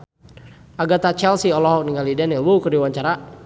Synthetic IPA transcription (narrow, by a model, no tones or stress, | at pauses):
ʔaɡat̪at͡ʃɛlsiɔlɔɦɔk̚niŋalidɛnilwukərdiwaɲt͡ʃaɾa